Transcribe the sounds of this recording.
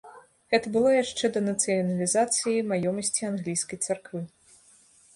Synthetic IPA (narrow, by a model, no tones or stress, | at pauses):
ɣɛt̪ɐbɨlˠɔjaʂt͡ʂɛd̪ɐnɐt̪sɨjɐnɐlʲizat̪sɨjimajɔmɐsʲt͡sʲianɣlʲijskɐjt̪sarkvɨ